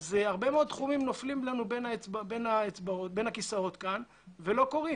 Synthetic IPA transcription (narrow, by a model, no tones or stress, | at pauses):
zeaʁbemeo̞d̪̚t̪χumimnoflimlanube̞naet͡sbabenaet͡sbaot̪̚be̞nhakisao̞t̪kan | velo̞ko̞ʁi